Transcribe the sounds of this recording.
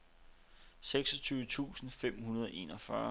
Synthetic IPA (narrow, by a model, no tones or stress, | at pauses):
seɡ̥sɒt͡sʰyːʊət͡sʰṵːsn̩fem̰hunɐð̞ˠɒʔe̝̰ːnɒfɶɐ